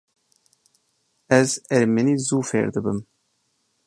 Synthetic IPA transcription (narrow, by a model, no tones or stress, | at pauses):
ɛzɛɾmɛniːzuːfḛɾd̪ɨbɨm